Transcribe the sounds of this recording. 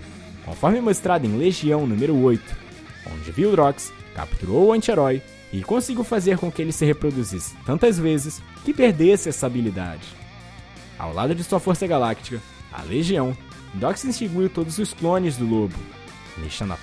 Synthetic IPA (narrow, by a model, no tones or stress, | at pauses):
kõ̰fɔɾmɪmost̪ɾad̪ʊẽleʒiɐ̃w̃nũmeɾʊojt̪ʊ̥ | õ̰d͡ʒɪviwʊd̪ɾɔkska̰pt̪uɾowʊɐ̃nt͡ʃeɾɔj | ɪkõsiɡʲiwfazeɾkõkɪelɪsɪhepɾod̪uzisɪ̥t̪ɐ̃nt̪ɐzvezɪs | kɪpeɾd̪esɪɛsɐabilid̪a̰d͡ʒɪ | a̰wla̰d̪ʊd͡ʒɪsuɐfoɾsɐɡalakt͡ʃi̥kɐ | ɐ̰leʒiɐ̃w̃ | d̪ɾɔksĩst͡ʃiɡujwt̪od̪ʊzʊsplõnɪzd̪ʊlobʊ̰ | nḛʃɐ̃nɐ̰